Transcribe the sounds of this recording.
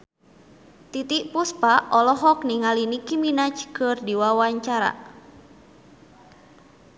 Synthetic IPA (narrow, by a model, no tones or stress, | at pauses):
t̪it̪iʔpuspaʔɔlɔɦɔkniŋalinikiminat͡ʃkɨrdiwawaɲt͡ʃaɾa̰